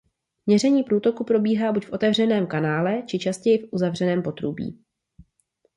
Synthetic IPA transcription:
mɲɛr̝ɛɲiːpɾuːt̪o̞kupɾo̞biːɦaːbucfʔo̞t̪ɛvr̝ɛnɛːmkanaːlɛt͡ʃɪt͡ʃascɛjɪfʔuzavrɛnɛːmpo̞t̪ɾubḭː

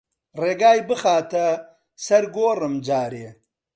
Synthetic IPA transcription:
reːɡaːjbəxaːt̪ʰɐ | sɐɾɡoːɾɐmd͡ʒaːɾeː

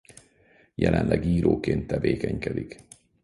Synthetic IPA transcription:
jɛlɛnlɛɡiːɾʔoːkeːnt̪ːɛveːkɛɲkɛd̪ik

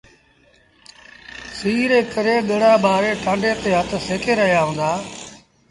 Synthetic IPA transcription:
siːɾeːkəɾeːɗəɽaːɓaːɾeːʈʰãːɳɖeːt̪eːɦət̪ʰseːkeːɾəɦɪjaːɦõːnd̪aː

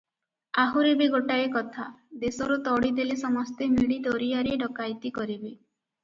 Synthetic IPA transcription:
aɦuɾebeɡoʈaekɔt̪ʰad̪esɔɾut̪ɔɽid̪elesɔmɔst̪emiɽid̪oɾiaɾeɖɔkajt̪ikɔɾibi

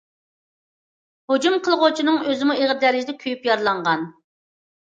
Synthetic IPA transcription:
hod͡ʒumqʰəlˠʁot͡ʃʰinɨŋøzɪmueʁd̪æɾɪʒd̪ɛkʲʰyjypjɑɾlˠɑɴʁɑn

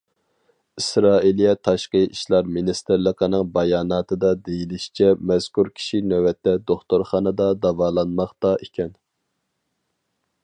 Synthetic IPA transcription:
isɾɑːilˠijɛt̪ʰɑʃqəʔiʃlˠɑɾminist̪ɪɾlˠəqʰənɨŋbɑjɑːnɑːt̪ʰɨd̪ɑd̪ejilɪʃi̥t͡ʃʰɛmɛz̥kuɾkʲʰi̥ʃinøwɛt̪ːɛd̪oχt̪oɾχɑːnɨd̪ɑd̪ɑvɑːlˠɑnmɑχt̪ɑʔikʲʰɛn

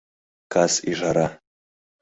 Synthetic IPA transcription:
kʰasiʐaɾa

